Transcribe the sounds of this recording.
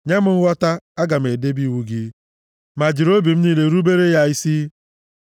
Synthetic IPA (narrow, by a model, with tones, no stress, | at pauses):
ɲa˦m̩˦wɔ˦ta˦a˦ɡa˨m̩˨e˨de˦bi˦˨wu˦ɡi˦ | ma˨d͡ʒi˨ɾo˦bi˨m̩˦niː˦le˦ɾu˦be˦ɾe˦ja˦i˦si˦